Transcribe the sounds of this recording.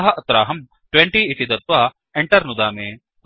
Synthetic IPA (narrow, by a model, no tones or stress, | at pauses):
ɦɐʔɐt̪ɾaːɦɐm | ʈweɳʈiit̪id̪ɐt̪ʋaː | eɳʈɐɾnud̪aːmeː